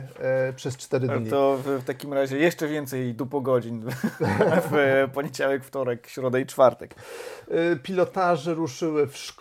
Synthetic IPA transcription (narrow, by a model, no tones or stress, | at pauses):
pʂɛst͡ʂt̪ɛɾɘt̪ɔfft̪akʲimɾaʑɛjɛʂt͡ʂɛvʲjɛnt̪sɛjd̪ɔpɔɡɔd͡ʑin | fpɔɲed͡ʑawɛkft̪ɔɾɛkɕɾɔd̪ait͡ʂfaɾt̪ɛk | pʲilɔt̪aʐɛɾuʂɘwɘfʂk